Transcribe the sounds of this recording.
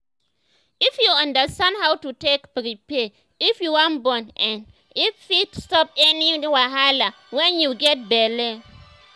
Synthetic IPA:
ifjuãndəstãndhawtutekpɾipɛ | ifjuwãnbɔ̃nʔɛ̃n | ifjitstɔpɛniwaɦala | wɛ̃njuɡɛt̚bɛlɛ

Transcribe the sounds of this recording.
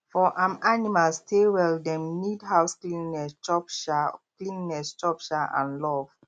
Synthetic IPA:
fɔʔãmanimalstʰewɛldɛ̃mnidɦaʊsklĩnːɛst͡ʃɔpʃaklĩnːɛst͡ʃɔpʃaʔã̰nlɔv

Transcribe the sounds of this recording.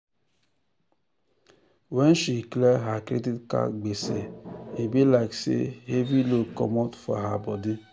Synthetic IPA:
wen̩ʃikleɦakɾeditka̰ɡ͡besḛebilaɪksḛhebilokɔmɔtfɔ̰ɦabɔdɪ

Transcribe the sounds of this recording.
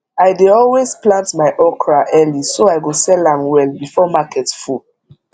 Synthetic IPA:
aɪdeɔlwezplãntmaɪʔɔkɹaʔɛlisoaɪɡosɛlãmwɛlbifɔmakʰɛtfu

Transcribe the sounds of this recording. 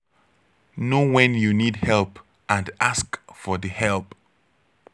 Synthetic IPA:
nowɛ̃njunid̚hɛlˠp | ãndaskfɔðɨhɛlˠp

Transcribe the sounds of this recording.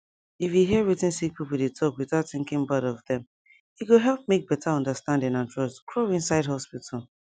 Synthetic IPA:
ifjuɦiɹitɪ̃nsik̚pʰipudetʰɔkwɪθaʊtθɪ̃ŋkɪ̃ŋbaɾɔvðɛ̃m | ikuɦɛlˠp̚mek̚b̥ɛtʰaɔ̃ndəstãndɪ̃ŋãntʰɹ̥ɔstkʰɹoɪ̃nsaɪdɦɔspitʰal̩ˠ

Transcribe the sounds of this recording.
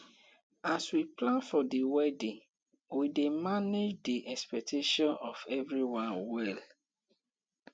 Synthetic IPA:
aswiplãnfɔdiwɛdĩŋ | widemaned͡ʒdiʔɛspɛk̚tʰeʃɔ̃nɔfɛvɹiwãnwɛl

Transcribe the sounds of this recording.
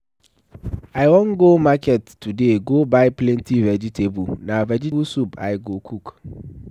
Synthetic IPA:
aɪwɔ̃nɡomakʰɛtʰːudeɡobaɪpʰlɛ̃ntʰivɛd͡ʒitʰebunãvɛd͡ʒibusupʰa̰ɪɡokʰuk

